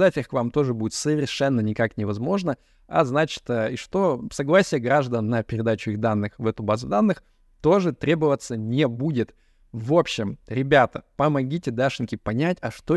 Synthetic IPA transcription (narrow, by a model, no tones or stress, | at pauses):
d̪atʲɨxkvamt̪o̞ʐɨbudʲɪt̪səvʲɪrʂɛnːənʲɪkaknʲɪvɐzmo̞ʐnə | ɐ̰znat͡ɕɪ̥t̪əiʂt̪o̞sɐɡlˠasʲɪjəɡɾaʐd̪ənːəpʲɪɾʲɪd̪at͡ɕʊiɣd̪anːɨxvɛt̪ʊbazʊd̪anːɨx | t̪o̞ʐɨt̪ɾʲʔe̞bəvət̪sənʲɪbudʲɪt̪ | vo̞pɕːɪmɾʲɪbʲat̪əpəmɐɡʲitʲɪd̪aʂɨnʲkʲɪpɐnʲætʲɐʂt̪o